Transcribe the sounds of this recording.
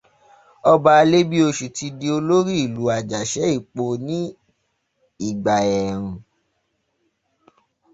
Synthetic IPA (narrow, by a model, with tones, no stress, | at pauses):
ɔ˧ba˧a˧le˦bi˦o˧ʃu˨ti˧di˧o˧lo˦ɾi˦i˦˨lu˨˦a˨d͡ʒa˨ʃɛ˨˦i˦˨k͡po˧nĩ˦ | i˦˨ɡ͡ba˨ɛ˨ɾ̃ũ˨